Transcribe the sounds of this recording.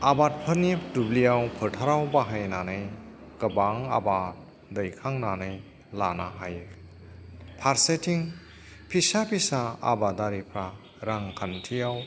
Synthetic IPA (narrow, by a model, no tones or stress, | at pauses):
abat̚pʰɯɾnidublijawpʰɯtʰaɾawbaɦajnanɯj | ɡ̥əbaŋa̰bat̚ | dəjkʰaŋnanɯj | lanaɦaj | pʰaɾsetʰiŋ | pʰisapʰisaa̰badaɾipʰɾa | ɾaŋkʰantʰijaw